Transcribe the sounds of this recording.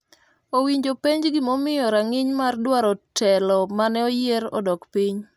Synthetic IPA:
owiɲd͡ʒopeɲd͡ʒɡɪmomɪjɔɾaŋɪɲmardwaɾɔtʰɛlɔmanɛɔjeɾɔ̰dɔkpiɲ

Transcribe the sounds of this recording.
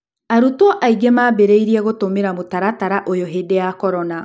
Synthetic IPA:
aɾutwɔʔaiɡemaːbeɾeiɾiɛɣotomeɾamotaɾataɾaʔojoɦedejakɔɾɔna

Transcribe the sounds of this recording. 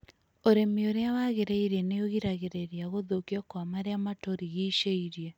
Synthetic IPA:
oɾemioɾeawaɣeɾeiɾeneoɣiɾaɣeɾeɾiaɣoðokiɔkwamaɾeamatoɾiɣiʃeiɾje

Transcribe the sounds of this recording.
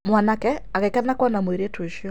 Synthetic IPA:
mwanakɛaɣɛkanakɔnamweɾetweʃiɔ

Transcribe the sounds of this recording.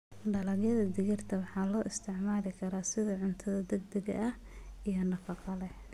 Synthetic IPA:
ɖɐlɐɣjɐðɐd̪ɪɣɐrt̪ʰɐwɑħɑːlɔːʔɪst̪ʰɪʕmaːlɪkʰɐɾaːsɪðɐʕʊnt̪ʰɐðɐd̪ɐɡ̚d̪ɐɣɐ̰ʔɐh | ijɔnɑqɑqɑlɛ

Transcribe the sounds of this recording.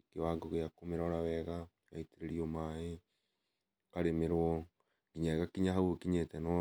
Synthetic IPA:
kewaɡɔɣejakomeɾaɔɾawɛɣa | ja̰iteɾeɾiɔmae | kaɾemeɾwɔ | ɡiɲaeɣakiɲaɦaookiɲetɛnɔ

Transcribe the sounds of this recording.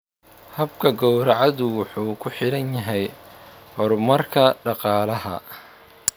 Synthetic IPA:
hɐbkʰɐɡɔwɾɐʕɑðʊwʊħuːkʰʊħɪɽɐnjɐɦɛjhɔɾmɐrkʰɐɖɑqɑːlɐɦɐ̰

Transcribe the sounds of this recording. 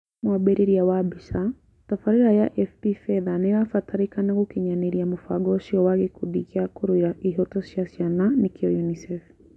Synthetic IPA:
mwabɛɾiɾiawabiʃa | tafaɾiɾajaʔɛfpifɛðanɛɾafataɾikanakukiɲaniɾiamufa̰ɡɔʃiɔwaɡikuɗikiakuɾwiɾaʔiɦɔtɔʃjasjananikiɔjunisɛf

